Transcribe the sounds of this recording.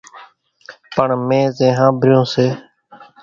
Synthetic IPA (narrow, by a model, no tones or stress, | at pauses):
pəɳmẽːzẽːɦãːbʱɾɪjõːseː